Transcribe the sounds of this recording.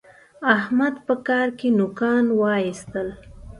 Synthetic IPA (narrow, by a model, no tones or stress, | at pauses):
ahmad̪pəkɑɾkenʊkɑnwɑist̪əl